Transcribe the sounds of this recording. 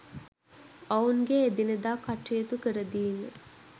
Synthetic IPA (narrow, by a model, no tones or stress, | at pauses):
auŋɡeːd̪inəd̪aːkaʈːijet̪ukəɾəd̪iːnə